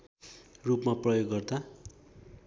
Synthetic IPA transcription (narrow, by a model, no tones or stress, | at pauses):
rupmaprʌjoɡːʌrd̪a